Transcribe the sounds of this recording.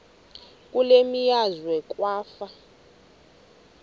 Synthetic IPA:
k̬ʼulemijazwɛk̬ʼwaːfa

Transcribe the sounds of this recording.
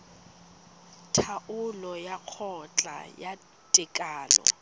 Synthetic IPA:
tʰaʔʊlɔjaq͡χʰɔt͡ɬʼa̰ja | tʼɪkʼaːlɔ̰

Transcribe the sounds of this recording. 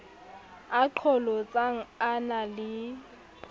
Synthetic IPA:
aǃʰɔlɔt͡sʼaŋ̩analɪ

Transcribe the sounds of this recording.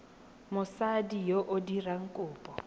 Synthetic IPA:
mʊsadijoʔʊdiraŋ̩kʼʊːpʼɔ

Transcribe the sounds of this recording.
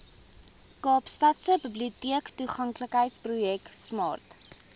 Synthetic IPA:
kɑːpstɐtsəbibliutiəktuχɐŋkləkɦəjtsprujɛksmɑ̰ːrt

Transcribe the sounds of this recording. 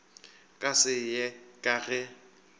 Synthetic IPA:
kʼasɪjɛkʼaɣɛ

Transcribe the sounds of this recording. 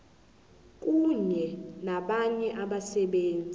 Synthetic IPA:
kʼuɲɛnaɓaɲɛʔaɓasɛɓeːnd͡zʱi

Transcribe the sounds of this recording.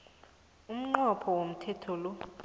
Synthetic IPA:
um̩ŋ͡ǃɔpʰɔwom̩tʰɛtʰɔlɔ

